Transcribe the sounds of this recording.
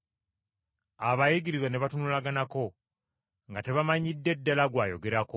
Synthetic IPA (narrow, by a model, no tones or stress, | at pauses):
aβajiɡiɾizwane̞βatunulaɡanako̞ | ŋɡate̞βamaɲidːe̞dːalaɡwaːjo̞̰ɡe̞ɾako